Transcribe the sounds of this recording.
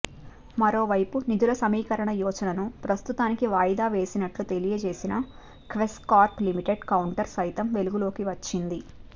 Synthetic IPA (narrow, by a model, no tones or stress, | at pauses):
mɐɾo̞ːʋɐjpunid̪ulɐsɐmiːkɐɾɐɳɐjɔːt͡ʃɐnɐnupɾɐst̪ut̪aːnikiʋaːjd̪aːʋe̞ːsinɐʈlut̪e̞lijɐt͡ʃe̞ːsinɐ | kʋeskaːɾplimiʈe̞ɖkɐwuɳʈɐɾsɐjt̪ɐmʋe̞luɡulo̞ːkiʋɐt͡ʃːind̪i